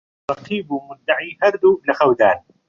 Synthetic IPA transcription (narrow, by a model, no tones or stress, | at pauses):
ɾˤɑqiːbmʊd̪ːaʕiːhɑɾˤd̪ulɪxawd̪aːn